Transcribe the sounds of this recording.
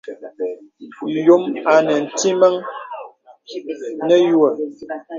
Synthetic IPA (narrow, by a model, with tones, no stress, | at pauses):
jo˨˦ma˨nə˨n̩˨ti˦mə˦ŋ | nə˦jwə˨